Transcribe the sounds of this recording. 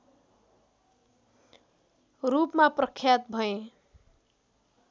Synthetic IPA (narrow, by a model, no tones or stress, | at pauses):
rupmaprʌkʰːjat̪̚bʱʌẽ